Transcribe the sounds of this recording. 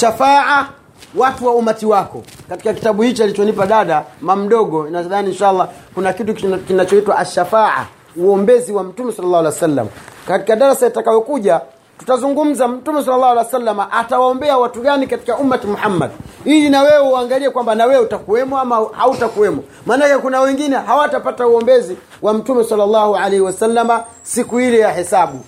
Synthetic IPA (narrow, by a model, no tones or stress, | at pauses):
ʃafaʕa | watuwaumatiwakɔkati̥kaki̥taɓuhit͡ʃalit͡ʃɔnipaɗaɗamam̩ɗɔɡɔinaðaninʃaʔalˠˤːakunakitukkinat͡ʃɔitwaʔaʃːafaʕa̰ | uɔmbɛziwam̩tumɛsalːalːaːwalaasalːa̰makati̥kaɗaɾasajatakajɔkuʄa | tu̥tazuŋɡum̩zam̩tumɛs̬alːalˠːaːhwalajsalːamaʔatawaɔmbɛawatuɠanikati̥kaʔumːatimuħamːa̰dilinawɛwɛaŋɡaliɛkwambanawɛutakuwɛmɔamaha̰utakuwɛmɔ | manakɛkunawɛŋɡinɛɦawatapatauɔmbɛzi | wam̩tumɛsalːalːahualɛhiwasalːama | sikuilɛjahɛsaɓu